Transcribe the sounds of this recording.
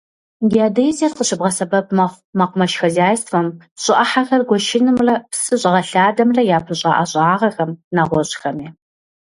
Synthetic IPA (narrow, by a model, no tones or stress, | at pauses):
ɡiaːdɐjzɐrqəɕɨbʁɐsɐbɐp̚ʰmɐ | mɐqʷʊmɐʃxɐzaːjsfɐm | ɕʼɪʔɐħaxɐrɡʷɔʃɪnɨmrɐpsɨɕʼɪʁɐɬaːdɐmrɐjaːpʰɨɕʼa̰ːʔɐɕʼaːʁɐxɐmnaːʁʷɔɕʼxɐmiː